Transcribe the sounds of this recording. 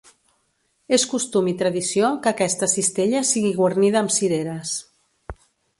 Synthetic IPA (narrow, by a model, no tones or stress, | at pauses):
eskust̪umit̪ɾəðisiokəkɛst̪əsist̪eʎəsiɣiɣwərniðəːmsiɾeɾəs